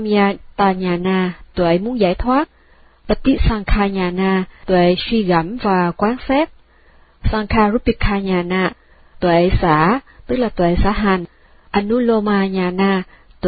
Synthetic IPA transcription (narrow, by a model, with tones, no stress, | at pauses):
mi˧a˧t̪aː˧˨˩ɲaː˨˩naː˧t̪wḛ˧˩˦mu˨˦ənzaː˧˩jt̪ʰwaː˦˥t̚ | ɓə˦˥t̪i˦˥t̚saː˧ŋkʰaː˧ɲaː˨˩naː˧t̪wḛ˧˩˨swi˧ɣə˧˩mvaː˨˩kwaː˨˦nsɛ˦˥p̚ | saː˧ŋkʰaː˧ɾu˦˥p̚bi˨˧˩kʰːaː˧ɲaː˨˩naː˧˩ | t̪wḛ˧˨saː˧˥t̪ɨ˦˥k̚laː˨˩t̪wḛ˧˨sa̰ː˧˥ɦa˨˩ŋ | ʔə˧nːu˦˥lo˧maː˧ɲaː˨˩naː˧ | t̪